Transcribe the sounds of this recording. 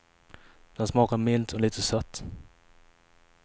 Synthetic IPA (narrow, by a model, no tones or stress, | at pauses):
d̪̥ɛnsmɑːkaɾmɪlt̪ʰɔliːt̪əsœt̪ː